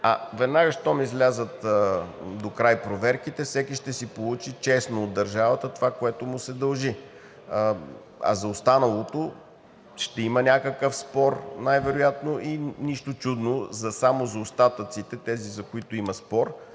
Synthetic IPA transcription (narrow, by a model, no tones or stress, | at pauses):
ɐvɛd̪naɡəʃt̪ɔmizlʲazət̪ | d̪okɾajpɾovɛɾkit̪ɛfsɛkiʃt̪ɛsipolˠut͡ʃit͡ʃɛsnood̪ːɐɾʒavɐt̪ət̪ovakoɛt̪ʊmʊsɛd̪ɐlˠʒi | ə | ɐ̰zɐost̪anɐlˠot̪o | ʃt̪ɛimənʲakəkəfspɔɾnajvɛɾojat̪noʔiniʃt̪ot͡ʃud̪nozɐsamozɐost̪at̪ət̪sit̪ɛt̪ɛzizɐkoit̪ʊimɐspɔɾ